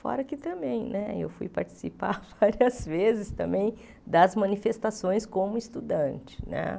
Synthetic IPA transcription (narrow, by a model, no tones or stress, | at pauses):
fɔ̰ɾɐkɪt̪ɐ̃mbẽj̃nɛḛwfṵjpaɾt͡ʃɪ̥sipa̰ɾvaɾiɐzvezɪst̪ɐ̰̃mbẽj̃ | d̪ɐzmɐ̃nifest̪asõj̃skõmʊist̪ud̪ɐ̃nt͡ʃɪ̥nɛ̰